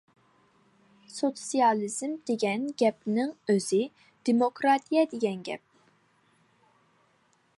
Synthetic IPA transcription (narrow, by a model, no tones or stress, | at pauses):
sosijɑlˠiz̥md̪̥eɡʲɛnɡʲɛpnɪŋøz̥ɪ | d̪̥emokʰɾɑt̪ʰijɛd̪eɡʲɛnɡʲɛ̰p̚